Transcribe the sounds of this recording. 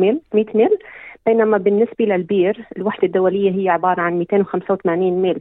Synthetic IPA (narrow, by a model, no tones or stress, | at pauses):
ilmiːt̪miːlb̥eːnamabɪnːɪsbalalbiːɾɪlwaħd̪ad̪ːʊwalɪjːaɦɪjːaʕɪbɑːɾˤɑʕanmiːt̪eːnwxamsawt̪amaːniːnmiːl